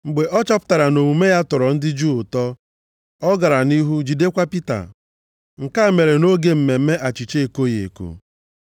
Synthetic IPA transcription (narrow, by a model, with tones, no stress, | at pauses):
ŋ͡m̩˨ɡ͡be˨ʔɔ˦t͡ʃa˦pʊ̥˦ta˨ɾa˨no˨ŋu˨me˦ja˦tʊ˨ɾɔ˨n̩˦dɪ˦d͡ʒuː˦˨ʊ˨tɔ˦ | ɔ˦ɡa˨ɾa˨ni˦ɦu˦d͡ʒi˨de˦kʷa˦pi˦ta̰˨ | ŋ̩˨ka˦˨me˨ɾe˨no˦ɡe˦m̩˨me˨m̩˦me˦ʔa˨t͡ʃi˨t͡ʃe˦e˨ko˦je˨ḛ˨ko̰˨